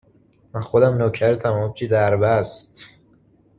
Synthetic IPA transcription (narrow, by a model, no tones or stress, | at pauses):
mænxod̪æmnocʰæɾt̪ʰæmɒːt͡ʃʰid̪æɾbæst̪